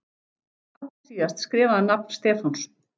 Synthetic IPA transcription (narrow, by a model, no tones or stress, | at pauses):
atasiːast̪skɾɛːvaðanap̚nst̪ɛːfans